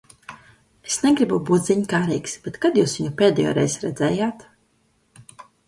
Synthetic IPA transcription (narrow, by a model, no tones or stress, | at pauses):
esnɛɡɾibubuːt̪zʲiɲkaːɾijksb̥et̪kad̪juːsviɲupʲeːd̪ɛjɔ̰ːɾɛjzɾɛd̪zɛːjaːt̪